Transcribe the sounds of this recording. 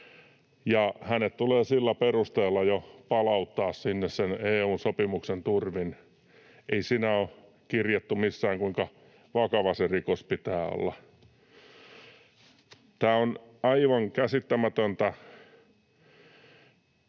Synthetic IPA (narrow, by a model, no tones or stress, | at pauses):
jɑhænet̪t̪uleːsilːæperust̪eːlːɑjopɑlɑut̪ːɑːssinːesseneːuːnsopimuksent̪urʋin | ʔeisinæo | kirjet̪ːumisːæːŋkuiŋkɑ | ʋɑkɑʋɑserikospit̪æːo̰lːɑ̰ | t̪æːonɑiʋɑŋkæsit̪ːæmæt̪ønt̪æ